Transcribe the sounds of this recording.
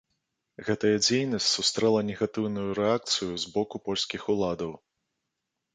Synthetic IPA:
ɣɛt̪ɐjɐd͡zʲejnɐsʲtʲt͡sʲsust̪ɾɛlˠɐnʲɛɣat̪ɨwnujuɾɛak̚t̪sɨjuzbɔkupɔlʲsʲkʲixulˠad̪ɐw

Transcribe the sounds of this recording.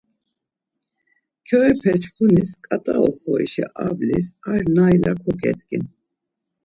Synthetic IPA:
kʰɔɛpʰɛt͡ʃkʰuniskʼat̪ʼaɔχɔiʃḭʔavlisaɾnailakʰɔkʼɛ̰t̪ʼkʼin

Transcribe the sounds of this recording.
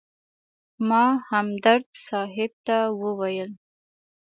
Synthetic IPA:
mɑhamd̪aɾd̪sɑɦɪb̚t̪awəwajəl

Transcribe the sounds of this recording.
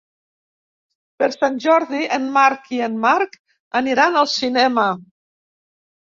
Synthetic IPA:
pəɾsanʲʒɔɾðiʔənmaɾkiənmaɾk | əniɾanəlˠsinɛmə

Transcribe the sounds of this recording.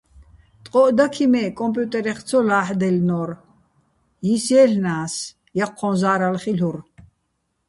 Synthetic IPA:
t̪ʼqʼɔʔd̪akʰimɛkʼɔmpʼjut̪ʼɛɾɛχt͡sʰɔlaːħd̪ɛlnɔɾ | jisɛːɬnaːs | jaqʰːɔnzaːɾalχiɬuɾ

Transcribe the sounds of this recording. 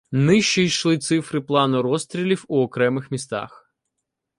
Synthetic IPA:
nɪʃt͡ʃijʃlˠɪt̪sɪfɾɪplˠɑnʊɾɔst̪ɾʲilʲiwuɔkɾɛmɪxmʲist̪ɑ̰x

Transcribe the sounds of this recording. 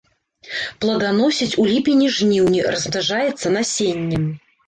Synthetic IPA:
plˠɐd̪an̪ɔsʲit͡sʲulʲipʲinʲiʐnʲiwnʲirɐzb̪aʐajɛt̪sːɐnasʲenʲːɛm

